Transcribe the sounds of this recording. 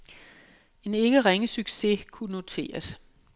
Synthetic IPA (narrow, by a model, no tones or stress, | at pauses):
e̝ne̝ɡ̥əʁeŋəsyɡ̥se̝kʰuno̝t͡sʰe̝̰ːɐs